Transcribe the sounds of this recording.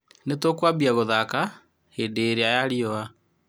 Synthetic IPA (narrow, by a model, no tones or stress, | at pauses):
netwokwabiaɣoðaka | heːndeːɾeajaɾiɔa